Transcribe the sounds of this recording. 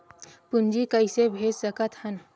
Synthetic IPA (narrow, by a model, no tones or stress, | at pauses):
pund͡ʒikəisebʱeːd͡ʒsəkət̪hən